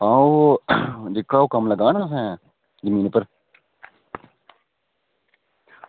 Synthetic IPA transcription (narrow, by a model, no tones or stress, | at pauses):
ãː | d͡ʒ̪ɪkːaːokəmləɡaːnaːsɛ̃ː | zəmĩːnpəɾ